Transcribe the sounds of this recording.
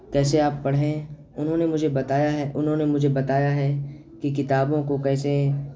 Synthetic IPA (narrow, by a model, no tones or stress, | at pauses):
kɛːseaːpːɐɽ̤ɦẽ | ʊnɦõnemʊd͡ʒʱebɐt̪aːjaɦɛʔʊnɦõnemʊd͡ʒʱebɐt̪aːjaɦɛ | kikɪt̪aːbõkokɛːse